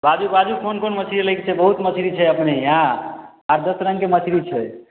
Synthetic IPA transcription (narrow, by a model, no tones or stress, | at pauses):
bad͡ʒubad͡ʒukʰonkonmət͡ʃʰiɾiləɪk̚t͡ʃʰɛbəɦut̪mət͡ʃʰiɾit͡ʃʰɛəpneiɦã | əɾd̪əsɾəŋkemət͡ʃʰɾit͡ʃʰɛ